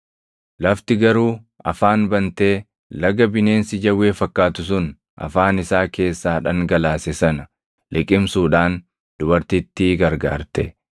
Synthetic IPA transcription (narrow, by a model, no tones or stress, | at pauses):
lɐft̪ɪɡɐɾuː | ɐ̰faːnbɐnt̪eː | lɐɡɐbɪne̞ːnsɪd͡ʒɐwːeːfɐkːaːt̪ʊsʊn | ʔɐ̰faːnɪsaːke̞ːsːaːᶑɐŋɡɐlaːsɛsɐnɐ | lʔɪkʼɪmsuːᶑaːn | d̪̥ʊbɐɾt̪ɪt̪ːɪɡɐɾɡa̰ːɾt̪ɛ